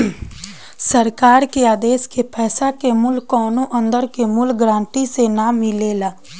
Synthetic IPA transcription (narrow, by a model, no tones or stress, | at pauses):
səɾkaːɾkeaːd̪eːskepʰɛːsakemʊlkːɔːnõʔə̃nd̪əɾkemʊlɡɾãːɳʈisenamɪleːlaː